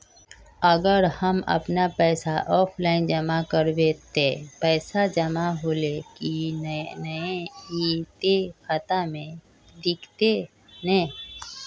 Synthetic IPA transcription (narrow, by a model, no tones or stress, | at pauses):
əɡəɾhəmɐ̰pnapɛːsaʔɔːpʰlaːɪnd͡ʒəmakəɾʋeːt̪epɛːsad͡ʒəmaɦolekinəeit̪ekət̪amẽ | d̪ɪkʰt̪e | nɛ̃ː